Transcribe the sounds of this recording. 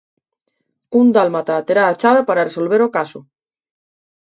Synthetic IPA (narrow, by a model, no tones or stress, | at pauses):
und̪almat̪at̪eɾaːt͡ʃaðapaɾareso̞lβ̞e̞ɾokaso